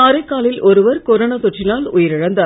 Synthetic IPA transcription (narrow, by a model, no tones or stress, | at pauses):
aːɾɐɪkːaːlɪlʔɔɾɯʋɐɾkɔɾɐnɐsɔʈrɪnaːlʊjɐɾɪɻɐnd̪ɐ